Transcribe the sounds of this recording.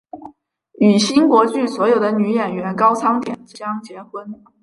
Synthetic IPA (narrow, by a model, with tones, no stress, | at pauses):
y˨˩ɕi˥nkwɔ˧˥t͡ɕy˥˩swɔ˧˥jo˨˩ʊd̪ə˦ny˧˥jɛ˨˩nɥɛ˧˥nkɑ˥ʊt͡sʰɑ˥ŋt̪jɛ̰˨˩nt͡ɕ̩˧jɑ˥ŋt͡ɕjɛ˧˥xwə˥n